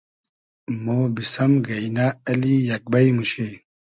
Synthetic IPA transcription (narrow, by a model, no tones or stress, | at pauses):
moːbisɐmɡɐinaːɐlijɐk̚bɐjmuɕe